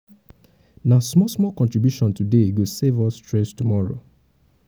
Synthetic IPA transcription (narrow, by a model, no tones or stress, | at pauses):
nasmɔsmɔkɔ̃ntɹibjuʃɔ̃ntudeɡosevɔstɹɛ̃stumɔɹo